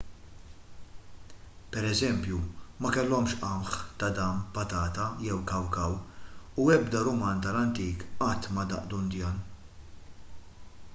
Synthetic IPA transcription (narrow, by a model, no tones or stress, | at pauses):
pɛɾɛzɛmpjumɐkɛlːɔmʃʔɐmħt̪ɐd̪ɐmpɐt̪ɐːt̪ɐjɛwkɐwkɐwuɛbd̪ɐɾʊmɐːnt̪ɐlɐnt̪iːkʔɐt̪ːmɐd̪ɐ̰ʔd̪ʊnd̪jɐːn